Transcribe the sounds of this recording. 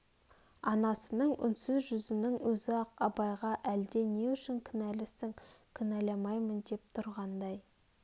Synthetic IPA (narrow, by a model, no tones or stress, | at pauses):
ɑnɑsənəɴʏ̰nsʏzʒʏzɪnɪŋwɵzɪɑqɑbɑjʁɑʔæld̪e̞ne̞ʏʃɪŋkʲʰɪnælɪsɪŋkʲʰʏnælɑmɑjmənd̪e̞p̚t̪ʰʊɾʁɑnd̪ɑj